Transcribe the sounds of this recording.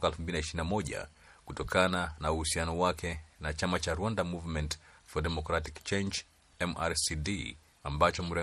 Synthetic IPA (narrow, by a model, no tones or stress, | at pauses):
kaɛlfumbilinaiʃiɾinamɔʄa̰ | kutɔkananauhusianɔwakʰɛnat͡ʃamat͡ʃaɾwandamuvmɛntfɔdɛmɔkɾatikt͡ʃɛnd͡ʒ | ɛmaɾsidi | ambat͡ʃɔm̩ɾɛ